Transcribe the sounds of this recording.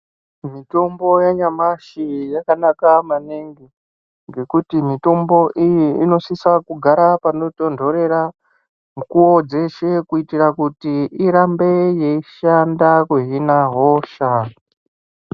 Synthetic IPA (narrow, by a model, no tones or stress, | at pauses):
mito̞mbo̞jaɲamaʃijakanakamaneŋɡi | ŋɡe̞kutimito̞mbo̞ʔijiino̞sisakuɡʱaɾapano̞to̞ndʱo̞ɾe̞ɾa | mukuwo̞d͡ze̞ʃe̞kuitirakutiiɾambejeiʃandakweɦinaɦoʃa